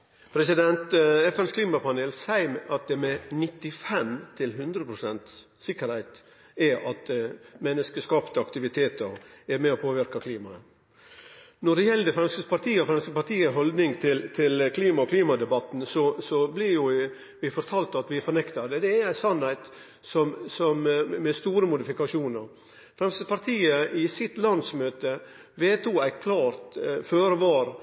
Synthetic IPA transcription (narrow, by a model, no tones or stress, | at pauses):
pʰɾɛsɪd̪ɛnt̪ɛfɛnskʰliːmɑpɑneːlsæɪmɛʔɑt̪̚d̪ɛmɛnɪt̪ːɪfɛmt̪ʰɪlɦʉnd̪ɾəpʰɾʊsɛnt̪s | sɪkːəɾhæɪt̪ | ɛɾʔɑt̪mɛnːəskəskɑːpt̪əɑkt̪ɪʋɪt̪ʰeːt̪əɾɛɾmɛɔpʰoːʋɪɾkɑkʰliːmɑ | nɔɖɛjɛlːəd̪ɛfɾɑnskəspɑɾt̪ʰiːɔfɾɑnskəpɑɾt̪iːəɦɔld̪nɪŋt̪ʰɪlt̪ʰɪlkʰliːmɑɔkʰliːmɑd̪ɛbɑt̪n̩sɔsɔblɪɾjʊ | ʋɪfɔɾt̪ʰɑːlt̪ɑt̪ʋɪɛfɔɾnɛkt̪ɑd̪ɛd̪ɛæɾæɪsɑnːhæɪt̪ | sɔmsɔmmɛst̪uːɾəmʊd̪ɪfɪkɑʂuːnəɾ | fɾɛmsəspɑɾt̪ʰiːəʔɪsɪt̪lɑnsmøːt̪ə | ʋeːt̪ʰuːæɪkʰlɑːɾt̪føːɾʋɑːɾ